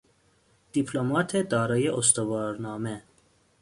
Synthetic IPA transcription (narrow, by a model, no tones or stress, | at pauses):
d̪̥ipʰlomɒːt̪ʰed̪ɒːɾɒːje̞ʔost̪ovɒːɾnɒːme